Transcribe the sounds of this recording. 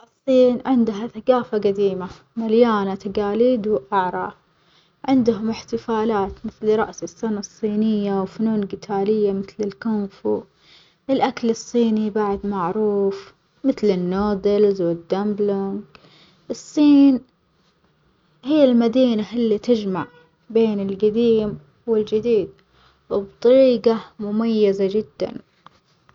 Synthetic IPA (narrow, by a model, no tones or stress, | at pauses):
ʔɨsˤːiːnʕɪnd̪ɦaθaɡaːfaɡad̪iːma | maljaːnat̪aɡaːliːd̪wʔaʕɾˤɑ̰ː | ʕɪnd̪hʊmɪħt̪ɪfaːlaːt̪mɪθlɾˤɑ̰ʔsɪsˤːɪnɑsˤːiːnɪjːawfʊnuːnlɡɪt̪ʰaːlɪjːamɪθlɪlkʊmfu | ʔɪlʔakalɨsˤːiːnibaʕd̪maʕɾuːf | mɪθlɪnːoːd̪ɪlzwɪd̪ːamblaŋɡ | ʔɨsˤːiːn | hɪjːɪlmad̪iːnaʔɪlːit̪ɪd͡ʒmaʕ | beːnɪlɡad̪iːm | wɪld͡ʒɪd̪iːd̪̚ | wɪbt̪ˤɑɾiːɡamʊmajːazad͡ʒɪd̪ːa̰n